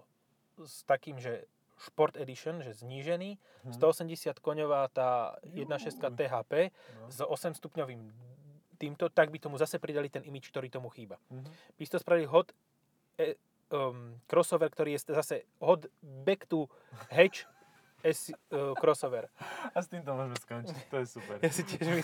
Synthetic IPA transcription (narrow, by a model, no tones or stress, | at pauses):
st̪akiːmʒɛ | ʃpɔɾt̪ɛd̪iʃɔnʒɛzɲiːʒɛniː | st̪ɔɔsɛmɟɛsɪat̪kɔɲɔʋaːt̪aːjɛd̪̚naʃɛst̪̚kat̪ɛːɦaːpɛːzɔsɛmst̪upɲɔʋiːmt̪iːmt̪ɔt̪aɡ̚bit̪ɔmuzasɛpɾid̪alit̪ɛnʔimit͡ʃk̚t̪ɔɾiːt̪ɔmuxiːbab̥ist̪ɔspɾaʋiliɦɔd̪ | ɛ | kɾɔsɔʋɛɾkt̪ɔɾiːjɛszasɛ | ɦɔd̪bɛkt̪u | ɦɛt͡ʃ | ɛskɾɔsɔʋɛɾast̪iːmt̪ɔmɔʒmɛskɔnt͡ʃt̪ɔjɛsupɛɾjasicɪɛʒmi